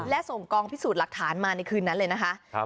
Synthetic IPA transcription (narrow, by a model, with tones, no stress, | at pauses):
lɛ˦˥so˨˩ŋkɔː˧ŋpʰi˦˥suː˨˩la˨˩k̚t̪ʰaː˩˦nmaː˧na˧jkʰɯː˧nːa˦˥lɤː˧jna˦˥kʰa˦˥ʔ